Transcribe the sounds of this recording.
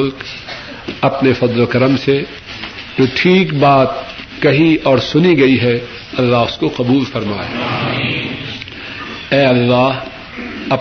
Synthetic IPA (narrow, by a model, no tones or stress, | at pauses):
ʊlk | ɐpnefɐd̪lokɐɾəmse | t̪oʈʰiːkbaːt̪̚ | kɐɦiɔːɾsʊniɡɐiɦɛ | ɐlːaːɦʊskoqɐbuːlfɐɾmaːḛː | ɛːɐlːaː | ɐp